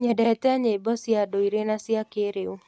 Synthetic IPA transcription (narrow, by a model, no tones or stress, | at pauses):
ɲɛdɛtɛaɲebɔsjadoiɾenasjakeɾeu